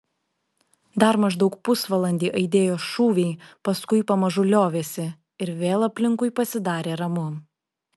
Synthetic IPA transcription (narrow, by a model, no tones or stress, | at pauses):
d̪ɐɾmɐʒd̪ɒʊkpʊsʋɐlˠɐnʲd̪ʲiːʔɐɪd̪ʲeːjoːʃuːʋʲɛɪpɐskʊɪpɐmɐʒʊlʲoːʋʲeːsʲɪ | ɪɾʋʲeːlˠɐpʲlʲɪŋkʊɪpɐsʲɪd̪ɑːɾʲeːɾɐmʊ